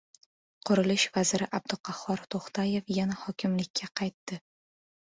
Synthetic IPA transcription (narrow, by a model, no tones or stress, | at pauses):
qʰʊɾɪlɪʃvazɪɾɪʔab̚d̪ɪqʰɑhɒɾt̪ʰoχt̪ʰaje̞fjanahɒkʲʰɪmlɪkʲʰːaqʰɑjt̪ːɪ